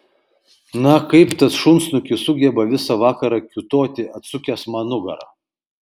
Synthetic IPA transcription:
nɐkɐɪpt̪ɐsʃʊnsnʊkʲɪsʊɡʲɛbɐʋʲɪsɐʋɑːkɐɾɑkʲʊt̪oːt̪ʲɪʔɐt̪sʊkʲɛsmɐnʊɡɐ̰ɾɐ̰

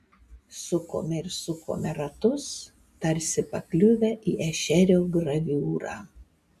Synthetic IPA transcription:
sʊko̰ːmʲɛɪɾsʊko̰ːmʲɛɾɐt̪ʊs | t̪ɐɾʲsʲɪpɐklʲʊʋʲɛʔiːʔɛʃʲɛɾʲoːɡɾɐʋʲuːɾɑ̰ː

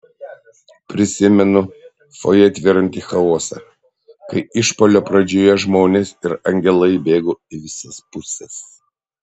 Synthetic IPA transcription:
pʲɾʲɪsʲɪmʲɛnʊ | fo̰jɛɐt̪ʲʋʲɪɾɐnʲt̪ʲiːxɐoːsɐ̰ | kɐɪɪʃpoːlʲoːpɾɐd͡ʒʲoːjɛʒmoːnʲesɪɾɐŋʲɡʲɛlˠɐɪbʲeːɡoːɪʋʲɪsɐspʊsʲɛs

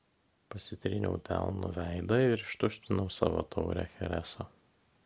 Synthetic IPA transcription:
pɐsʲɪt̪ʲɾʲɪnʲɛ̰ʊt̪ʲæ̰lˠnʊ̰ʋʲæɪd̪ɐɪɪɾɪʃt̪ʊsʲt̪ʲɪnɔʊsɑ̰ːʋo̰t̪ʰɒʊɾʲæ̰ːxʲɛɾʲæsoː

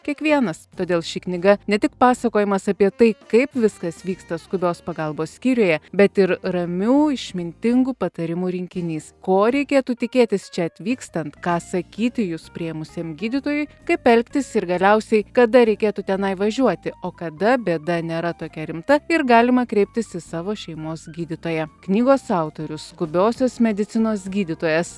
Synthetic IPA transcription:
kʲiɛkʋʲiɛnɐst̪oːd̪ʲeːlˠʃʲɪknʲɪɡɐnʲɛt̪ʲɪkpɑːsɐkoːjɪmɐsɐpʲiɛt̪ɐɪkɐɪpʋʲɪskɐsʋʲiːkst̪ɐskʊbʲoːspɐɡɐlˠboːssʲkʲiːɾʲoːjɛbʲɛt̪ɪɾrɐmʲuːɪʃʲmʲɪnʲt̪ʲɪŋɡupɐt̪ɐɾʲɪmuːɾʲɪŋʲkʲɪnʲiːskoːɾʲɛɪkʲeːt̪uːt̪ʲɪkʲeːt̪ʲɪst͡ʃʲɛɐt̪ʲʋʲiːkst̪ɐnt̪kɑːsɐkʲiːt̪ʲɪjʊspʲɾʲiɛmʊsʲeːmɡʲiːd̪ʲɪt̪oːjʊɪkɐɪpɛlʲkt̪ʲɪsɪɾɡɐlʲɛʊsʲɛɪkɐd̪ɐɾʲɛɪkʲeːt̪uːt̪ʲɛnɐɪʋɐʒʲuɔt̪ʲɪoːkɐd̪ɐbʲeːd̪ɐnʲeːɾɐt̪oːkʲɛɾʲɪmt̪ɐɪɾɡɑːlʲɪmɐkɾʲɛɪp̚ʲt̪ʲɪsɪsɑːʋoːʃʲɛɪmoːsɡʲiːd̪ʲɪt̪oːjɛknʲiːɡoːsɑˑʊt̪oːɾʲʊsskʊbʲoːsʲoːsmʲɛd̪ʲɪt̪sʲɪnoːsɡʲiːd̪ʲɪt̪oːjɛs

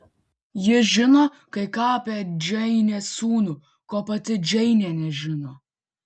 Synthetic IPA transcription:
jɪʒʲɪnoː | kɐɪkɑːpʲɛd͡ʒʲɛɪnʲeːsuːnʊ | koːpɐt̪ʲɪd͡ʒʲɛɪnʲɛːnʲɛʒʲɪnoː

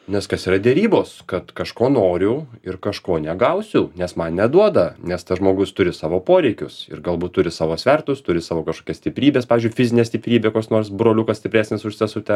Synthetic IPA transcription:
nʲɛskɐsiːɾɐd̪ʲɛɾʲiːboːskɐt̪kɐʃkoːnoːɾʲʊɪɾkɐʃkoːnʲɛɡɐʊsʲʊnʲɛsmɐnnʲɛd̪uɔd̪ɐnʲɛst̪ɐʒmoːɡʊst̪ʊɾʲɪsɑːʋoːpoːɾʲɛɪkʲʊsɪ̰ɾɡɐlˠbuːt̪t̪ːʊɾʲɪsɑːʋoːsʲʋʲɛrt̪ʊst̪ʊɾʲɪsɑːʋoːkɐʃkoːkʲɛsʲt̪ʲɪpʲɾʲiːbʲespɑːʋʲɪzʲd͡ʒʊɪfʲɪzʲɪnʲeːsʲt̪ʲɪpʲɾʲiːbʲekoːkʲsnoːɾsbɾoːlʲʊkɐsʲt̪ʲɪpɾʲæːsʲnʲesʊʃʲsʲɪsʊt̪ʲɛ

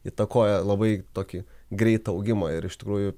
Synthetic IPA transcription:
it̪ɐkoːjɛlˠɐbɐɪt̪oːkʲɪɡɾʲɛɪt̪ɐɐʊɡʲɪmɐɪɾɪʃt̪ʲɪkɾuːjʊ

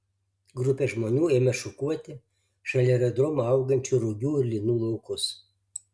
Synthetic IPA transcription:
ɡɾʊpʲɛʒmoːnʲuːeːmʲɛʃʊkuɔt̪ʲɪ | ʃɐlʲɛɾʲɛd̪ɾɔmɐɐʊɡɐnʲt͡ʃʲʊɾʊɡʲuːɪɾʲlʲinuːlˠɔʊkʊs

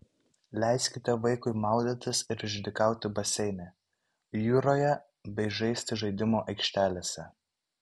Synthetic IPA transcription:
lʲɛˑɪsʲkʲɪt̪ʲɛʋɐɪkʊɪmɑˑʊd̪ʲɪt̪ʲɪsɪɾɪʒʲd̪ʲɪkɑˑʊt̪ʲɪbɐsʲɛɪnʲe | juːɾoːjɛ | bʲɛɪʒɛɪsʲt̪ʲɪʒɐɪd̪ʲɪmoːʔɐɪkʃʲt̪ʲæːlʲeːsʲɛ

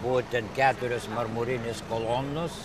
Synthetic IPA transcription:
bʊʋoːt̪ʲɛnkʲæːt̪ʊɾʲʊsmɐrmʊɾʲɪnʲɪskolˠoːnʊs

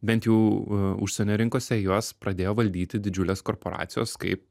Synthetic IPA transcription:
bʲɛnʲt̪jɛʊʊ̰ʃʲsʲɛnʲoːɾʲɪŋkoːsʲɛjuɔspɾɐd̪ʲeːjoːʋɐlʲd̪ʲiːt̪ʲɪd̪ʲɪd͡ʒʲʊlʲeːskoːɾpoːɾɑ̰ːt̪sʲɪjo̰ːskɐ̰ɪp̚

